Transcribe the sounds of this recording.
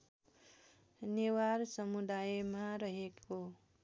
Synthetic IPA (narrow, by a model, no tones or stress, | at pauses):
newaɾsʌmud̪ajmaɾʌɦeko